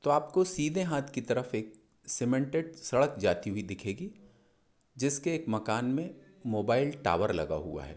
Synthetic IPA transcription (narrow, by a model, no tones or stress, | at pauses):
t̪oaːpkosiːd̪ʱẽɦaːt̪ʰkit̪ɐɾəfeːk̚ | sɪmẽɳʈeɖsɐɽəkd͡ʒaːt̪iɦuid̪ɪkʰeːɡi | d͡ʒɪskeːkmɐkaːnmẽ | moːbaːɪlʈa̰ːʋəɾlɐ̰ɡa̰ɦṵa̰ɦɛ̰ː